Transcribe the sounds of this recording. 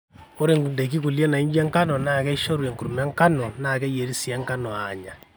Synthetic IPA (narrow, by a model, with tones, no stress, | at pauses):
o˦ɾe˨ŋu˨nde˨k̬i˦ku˨lje˦na˨i˦ɲbi˦a˦ŋka˦nɔ˨na˨kɛ˦i˦ʃo˦ɾwe˨ŋku˨ɾu˨ma˦ŋka˦nɔ˨nakɛ˦je˨ɾi˦si˦a˦ŋka˦nɔ˨aɲa˨